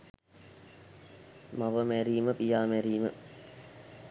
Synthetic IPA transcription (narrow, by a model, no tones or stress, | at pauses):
maʋəmæɾiːməpijaːmæɾiːmə